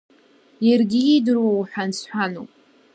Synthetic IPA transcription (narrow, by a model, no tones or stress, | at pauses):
jarɡʲijidɨrwawħʷᶣansħʷᶣanopʼ